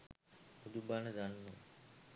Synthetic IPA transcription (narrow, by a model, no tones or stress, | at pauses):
ud̪ubaːnəd̪anːṵ